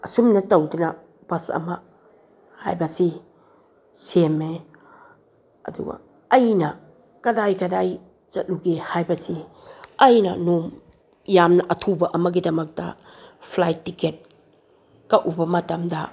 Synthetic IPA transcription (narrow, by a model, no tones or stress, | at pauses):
ɐsumnɐtɐwdunɐ | b̥ɐsɐ̰ma | ha̰jbɐsi | seme | ɐ̰dṵɡa̰ː | jnɐ | kɐdajkɐdaj | t͡ʃɐt̚luɡihajbɐsi | ɐjnɐnum | jamnɐʔɐtʰubɐʔɐmɐɡidɐmɐk̚d̥ɐ̰ | pʰlajtːiket̚ | kaʔubɐmɐtɐmdɐ